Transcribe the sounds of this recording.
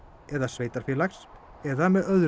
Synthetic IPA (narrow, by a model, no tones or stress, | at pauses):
ɛðasveːjt̪aɾ̥fjɪːlaxs | ɛðamɛðœðɾ